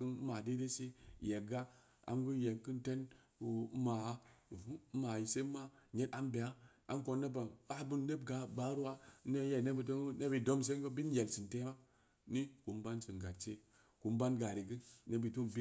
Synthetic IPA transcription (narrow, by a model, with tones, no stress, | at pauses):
kɨ˦n˦ma˨de˦de˦se˦˨je˨ɡa˦ | a̰˨nɡu˦je˨kɨ˦nte˦n | u˨˦ma˨a˦˨vu˦ma˨ji˨se˦ma˦ɲe˦ta˦mbe˨a˦ʔa̰˨nko˧nːe˦ba˨a˦bu˦nne˦bɡa˨ba˨˦ɾu˦wa˦ne˦je˦˨ne˦bi˨to˦ŋ˦ne˦bi˨do˦ms̬e˦ŋɡo˦bi˦nje˨lsɨ˨nte˦ma˦ | ni˦ku˨mba˦nsɨ˨ɡa˨tt͡ʃe˦ | ku˨mba˦nɡa˨ɾi˨ɡɨ˦ne˦bi˨to˦bi˦